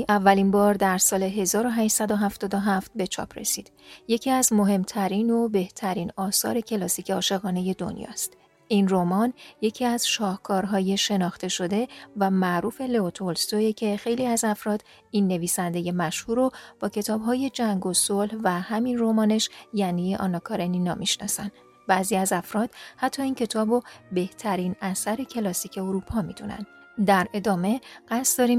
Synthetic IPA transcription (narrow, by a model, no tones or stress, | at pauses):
ʔævːælinbɒːɾd̪æɾsɒːle̞ɦe̞zɒːɾo̞ɦæːʃsæd̪o̞ɦæft̪ɒːd̪o̞ɦæft̪̚be̞t͡ʃʰɒ̰ːpʰɾe̞̰sḭːd̪̥je̞cʰiːæzmo̞ɦe̞mt̪ʰæɾiːno̞be̞ht̪ʰæɾiːnɒːsɒ̰ːɾe̞cʰe̞lɒsiːcʰeɒːʃe̞ɣɒːne̞je̞d̪o̞̰njɒ̰ːst̪ | inromɒnje̞cʰiæz̥ʃɒːhkʰɒːɾɦɒːje̞ʃe̞nɒːxt̪e̞ʃo̞d̪e̞væmæʔɾuːfeleot̪ʰolst̪oecʰe̞xe̞jliːæzæfɾɒːd̪ | inːe̞viːsænd̪e̞je̞mæʃhuːɾob̥ɒːcʰe̞t̪ʰɒːbɦɒːje̞d͡ʒæŋɡo̞solhvæhæminromɒːne̞ʃjæniʔɒ̰ːnɒkʰɒːɾeninɒːmiʃnɒ̰ːsæn | b̥æːziːæzæfɾɒːd̪̥hæt̪ʰːɒːiːncʰe̞t̪ʰɒːbobe̞ht̪ʰæɾiːnæsæɾe̞cʰe̞lɒsiːcʰe̞oɾuːpʰɒːmid̪unæ̰nd̪ | d̪æɾe̞d̪ɒːme̞ɡ̥æsd̪ɒːɾim